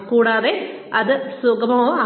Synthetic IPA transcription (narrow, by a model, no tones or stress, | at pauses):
kuːɽaːðe | ɐðɨsʊɡɐmɐŋoːɐ